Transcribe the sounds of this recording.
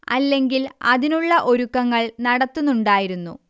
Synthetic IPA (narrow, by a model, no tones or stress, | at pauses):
ɐlːe̞ŋɡilɐðinuɭːɐʔo̞ɾukːɐŋːɐɭnɐɽɐt̪ːunːuɳɖaːjiɾunːṵ